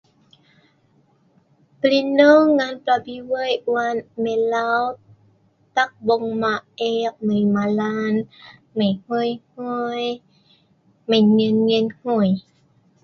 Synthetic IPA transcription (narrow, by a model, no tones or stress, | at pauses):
plinoːŋŋːaːnplabiwɤjwanmelaw | t̪ak̚boŋmaʔek̚majmalanmajhojhoj | majŋɯnŋinhoj